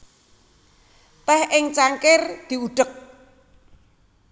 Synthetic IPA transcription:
t̪ɛhʔɪŋt͡ʃaŋkɪrd̪̥i̤uɖ̥ək̚

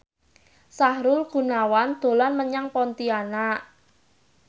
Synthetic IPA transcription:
sahɾʊlɡ̥ṳnawand̪̥o̤lanməɲaŋpɔnt̪iana

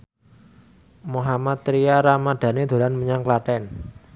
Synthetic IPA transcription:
muɦamat̪ːɾiaɾamad̪̥a̤ned̪̥o̤lanməɲaŋklaʈɛn

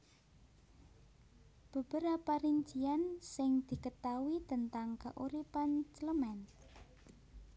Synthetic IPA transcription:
b̥ə̤b̥əɾapaɾind͡ʒiansɪŋd̪̥i̤kət̪awit̪ənt̪aŋka̰ʔuɾipant͡ʃələmɛn

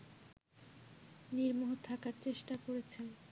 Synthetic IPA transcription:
niɾmoɦot̪ʰakaɾt͡ɕeʃʈakoɾet͡ɕʰe

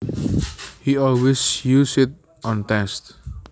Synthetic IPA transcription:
hiɔlwesjuːsɪt̚ | ɔ̃ntɛ̃st

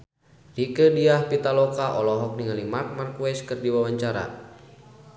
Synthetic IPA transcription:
rikədiahpit̪alɔkaʔɔlɔɦɔk̚niŋalimart̪̚markuwɛskɨrdiwawaɲt͡ʃaɾa̰

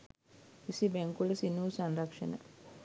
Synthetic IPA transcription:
isibeŋkuləsinuːsanɾakʂə̰nə̰

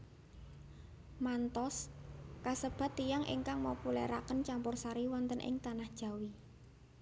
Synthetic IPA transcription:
mant̪ɔskasəb̥a̤t̪ijaŋʔɪ̰ŋkaŋmopulɛ̰ɾakənt͡ʃampʊrsaɾiwɔnt̪ənʔɪ̰ŋt̪anahd̥ʒ̥a̤wi

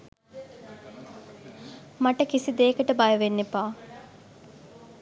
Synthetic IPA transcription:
maʈəkisid̪eːkəʈəbajəʋenːepaː

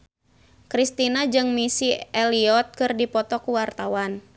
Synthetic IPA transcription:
kɾist̪inad͡ʒɨŋmisiɛliɔt̪̚kɨrdipɔt̪ɔkuwart̪awan

